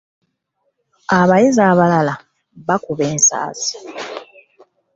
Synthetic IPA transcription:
aβajizaːβalala | βakuβeːnsa̰ːsi̥

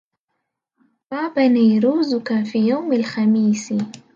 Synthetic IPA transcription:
baːbaniːɾuːzʊkafiːjawmalxamiːsɪ

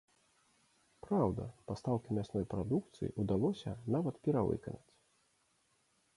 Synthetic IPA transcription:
pɾawd̪ɐ̰past̪awkʲimʲasnɔjpɾad̪uk̚t̪sɨjḭʔud̪alˠɔsʲɐnavɐt̪pʲɛɾavɨ̰kɐnɐt͡sʲ

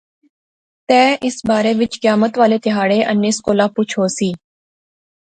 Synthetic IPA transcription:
t̪ɛ̃ːʔɪsbaːɾeʋɪt͡ʃkjaːmət̪ʋaːlet̪ɪɦaːɽeʔənːiskoːlapʊt͡ʃʰoːsiː

